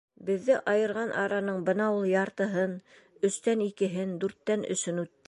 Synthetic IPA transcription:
bɘ̆ðːɘʔɑjɤ̆ɾʁɑnʔɑɾɑnɤɴbɤnɑulˠjɑɾt̪ɤ̆ɦɤn | ɵ̆ʃt̪ænikɘ̆ɦɘnd̪ʉɾt̪ːænɵ̰̆ʃɵnʉt̪ːɘ

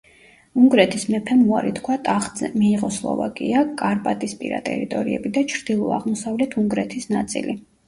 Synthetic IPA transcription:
uŋɡɾɛt̪ʰismɛpʰɛmuaɾit̪ʰkʰwat̪ʼaχzɛmiːʁɔslˠɔ̰va̰kʼiakʼaɾpʼat̪ʼispʼḭɾa̰t̪ʼɛ̰ɾit̪ʼɔɾiɛ̰bid̪at͡ʃʰɾd̪̥ilˠɔaʁmɔsavlɛt̪ʰuŋɡɾɛt̪ʰisnat̪sʼḭli

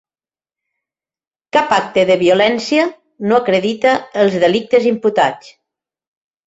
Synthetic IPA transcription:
kapak̚t̪əðəβiulɛnsiə | noakɾəðit̪əːlˠzðəlik̚t̪əzimput̪at͡s

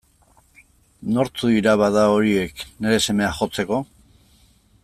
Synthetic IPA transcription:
no̞ɾt͡suiɾaβaðao̞ɾie̞kne̞ɾe̞se̞me̞axo̞t͡se̞ko̞

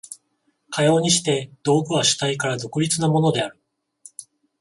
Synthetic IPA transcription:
kʰajo̞ːɲ̟iɕi̥t̪e̞d̪̥o̞ːɡɯ̟βaɕɨ̥t̪aikaɾad̪o̞kɯ̟ɾʲit͡sɨnamo̞no̞d̪e̞aɾɯ̟

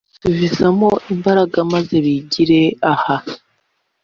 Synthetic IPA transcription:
suvizamo̞ʔimbaɾaɡamaze̞βiɟiɾe̞aha

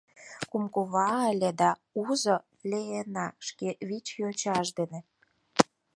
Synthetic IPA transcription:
kumkoβɑə̆lʲĕd̪ɑuzɤ | lʲeenɑʃkeβit͡ɕjot͡ɕɑʃd̪enĕ

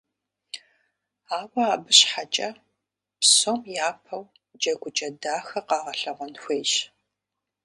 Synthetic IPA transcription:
aːwɐaːbɨɕħat͡ʃʼɐ | psomjaːpʰɐw | d͡ʒɐɡʷʊt͡ʃʼɐdaːxɐqɑːʁɐɬɐʁɐnxʷeːʒ

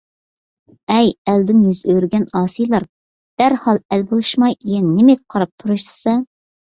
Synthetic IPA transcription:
ɛjæld̪ɪnjyzøɾɡʲɛnɑːsijlˠɑɾ | d̪̥æɾhɑlˠɛlbolˠuʃmɑjijɛnːɪmɛk̚ʲqʰɑɾɑp̚t̪ʰuɾuʃɨ̥sɑ

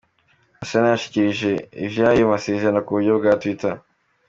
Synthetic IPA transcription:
asanajaʃi̥ciɾiʒe̞ḭvjaːjomasezenakuβuɾɟobɡatwita

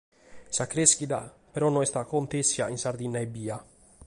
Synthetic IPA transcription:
sakːɾesk̟id̪a | peɾɔnɔɛst̪akont̪esːjainsaɾd̪inːaebːiːa

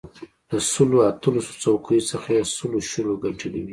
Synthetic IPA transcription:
ləsəloat̪əlaso̥t͡sawkʰəjosəxajesəloʃəloɡaʈʰəlḭwi

